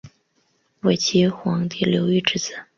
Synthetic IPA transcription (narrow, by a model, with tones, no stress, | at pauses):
we˨˩ɪt͡ɕʰi˧˥xwɑ˧˥ŋt̪i˥˩ljo˧˥ʊy˥˧ʈ͡ʂɻ̩˥˩t͡sɹ̩˨˩˦